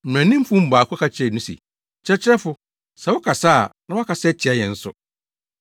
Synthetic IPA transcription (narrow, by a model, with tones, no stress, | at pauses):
m̩̃˨æ̃˨nĩ˦m̩˦fʊ̃˦m̩˦baː˨kʰʊ˦kʰa˦t͡ɕʰɪ˦ɛ˦˨nũ˦sḭ˨ | t͡ɕʰɛ˦t͡ɕʰɪ˦ɛ˦fʊ˦ | sa˨wʊ˦kʰa˨saː˦˨nã˦wɔ˦kʰa˨sɛ˦t͡ɕʰɪ˨a˦jɛ̃˨n̩˦sʊ̰˦